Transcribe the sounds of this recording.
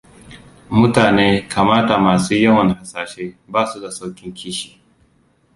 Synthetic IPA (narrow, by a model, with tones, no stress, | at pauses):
mʊ˦taː˨neː˦kʰaː˨maː˦ta˨maː˨suː˦jɐ˦nwɐ˨n˨ha˨saː˨ʃeː˦baː˦su˦da˨sa˦wkʲɪ˦ŋkʲʰiː˦ʃi˨